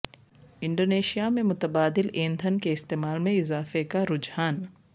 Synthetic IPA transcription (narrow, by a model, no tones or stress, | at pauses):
ɪ̃ɳɖoːneːʃijamẽmʊt̪əbaːd̪ɪleːnd̪ʱənkeɪst̪eːmaːlmẽɪzaːfekaɾʊd͡ʒhaːn